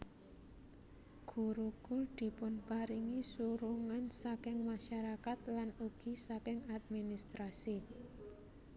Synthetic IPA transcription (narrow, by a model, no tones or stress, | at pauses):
ɡ̥ṳɾuɡ̥uld̪̥i̤pʊnpaɾiŋisuɾuŋansakɪŋmaʃaɾakat̪lanuɡ̥i̤sakɪŋad̪̚minist̪ɾasi